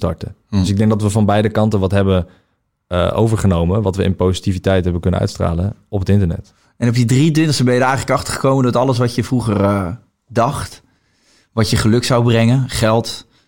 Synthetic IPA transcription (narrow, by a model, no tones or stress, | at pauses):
stɑ̰ɹtədøsɪɡ̚dɛŋk̚dɑtʋəvɑnbɛjdəkɑntənʋɑtɦɛbə | əʔo̰wvəɹχənowmənʋɑtʋəʔɪ̰npowzitivitɛjtɦɛbənkɵnəʔœ̰ɥtstra̰ːlənɔpətɪntəɹnɛ̰t | ɛnɔpjədridønsəbɛjədəɹɛjχələkɑχtə̥ɹχəkowməndɔtɑləsʋɑtjəvruχərə | dɑχt | ʋɑjəχəlɵksawbrɛŋənχɛlˠt